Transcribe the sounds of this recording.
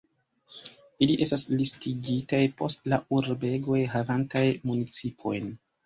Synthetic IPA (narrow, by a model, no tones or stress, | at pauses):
iliʔe̞staslistiɡitajpo̞stlaʔuɾbe̞ɡo̞jɦavantajmunit͡sipʰo̞̰jn